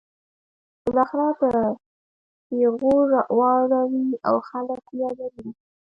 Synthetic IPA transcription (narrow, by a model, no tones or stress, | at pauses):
b̥əlɑxɪɾad̪ə | eɣoʐawɑɽawia̰wxaləkjalaɾi